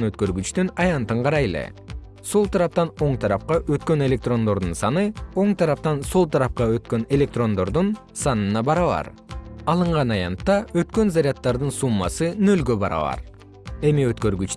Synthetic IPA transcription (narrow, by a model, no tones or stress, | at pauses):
nøt̪̚kø̞ɾɡyt͡ʃt̪ynɑjɑnt̪ɯɴqʰɑɾɑjelḛ | so̞lˠt̪ʰɑɾɑp̚t̪ɑno̞ɴt̪ʰɑɾɑp̚qɑʔø̞t̪kø̞ne̞lʲe̞k̚t̪ro̞nd̪o̞ɾd̪unsɑnɯo̞ɴt̪ʰɑɾɑp̚t̪ɑnso̞lˠt̪ʰɑɾɑp̚qɑø̞t̪kø̞ne̞lʲe̞k̚t̪ro̞nd̪o̞ɾd̪un | sɑnɯnɑbɑɾɑβɑ̰ɾ | ɑlˠɯɴʁɑnɑjɑ̰nt̪ːɑøt̪kø̞nzaɾʲjɑt̪ːɑɾd̪ɯnsumːɑ̰sɯnø̞lɡøbɑɾɑ̰βɑ̰ɾ | e̞miøt̪køɾɡyt͡ʃ